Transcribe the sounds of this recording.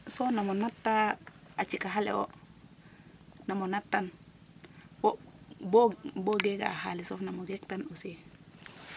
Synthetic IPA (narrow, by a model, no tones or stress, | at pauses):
sɔfnamonatːaat͡ʃikaɦalɛ̰o̰ | namonatːan | boboɡeɡa̰ːha̰lisɔfnamoɡektanose